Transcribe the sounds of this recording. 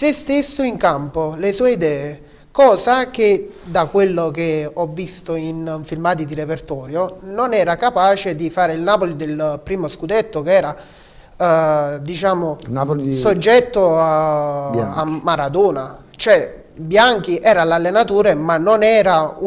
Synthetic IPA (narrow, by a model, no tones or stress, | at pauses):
sest̪esːoiŋkampolesuːeid̪ɛːe | kɔːzak̟ed̪akwelːokeɔvːist̪oinɱfilmaːt̪̬id̪iɾepert̪ɔːɾjononɛːɾakapaːt͡ʃed̪ifaːɾeilnaːpolid̪elpɾiːmoskud̪et̪ːokeɛːɾa | d̪it͡ʃaːmosod͡ʒːɛt̪ːoa | a̰mːaɾad̪ɔːna | t͡ʃoɛ | bjaŋk̟iʔɛːɾalalːenat̪uːɾemanːonɛːɾau